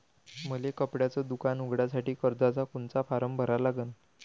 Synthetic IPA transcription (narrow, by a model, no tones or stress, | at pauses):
məlekəpɽjat͡səːd̪ukanuɡɽjasaʈiːkəɾd̪at͡sakoɳt͡safaɾəmbʱəɾalaɡən